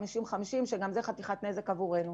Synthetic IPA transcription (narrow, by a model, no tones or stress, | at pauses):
miʃimχamiʃimʃeɡamzeχat̪iχat̪ne̞zekavuʁe̞nu